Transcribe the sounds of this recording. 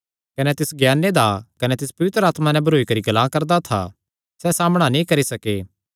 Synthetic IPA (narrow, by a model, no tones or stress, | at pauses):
kɐnɛt̪ɪsɡjaːnːed̪akɐnɛt̪ɪspɐʋɪt̪ɾəaːt̪manɛ̃bʱɐɾoːikɐɾiɡɐlãːkɐɾd̪at̪ʰa̰ | sɛsaːməɽ̃anĩkɐɾisɐkeː